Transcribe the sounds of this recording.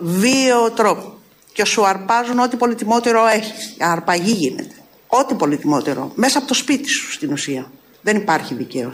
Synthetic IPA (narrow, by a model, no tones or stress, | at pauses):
vio̞t̪ɾo̞p | ce̞suɐɾpɐzuno̞t̪ipo̞lit̪imo̞t̪eɾo̞eçisɐɾpɐʝiʝine̞̰t̪e̥ | o̞t̪ipo̞lit̪imo̞t̪eɾo̰me̞sɐpot̪o̞spit̪i̥su̥st̪inusiɐ | ðe̞nipɐɾçiðice̞o